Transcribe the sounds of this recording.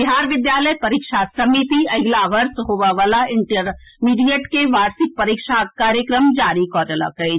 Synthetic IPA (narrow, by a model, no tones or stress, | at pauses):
biɦaːɾʋɪd̪jaːləjpɐɾikʃasɐmit̪iɐɡlaʋɐɾsɦoʋaʋaːlaɪɳʈəɾmiːɖijeʈkeʋaːɾsɪk̚pɐɾikʃakaːɾjəkɾəmd͡ʒaːɾikɔːʈəla̰kəi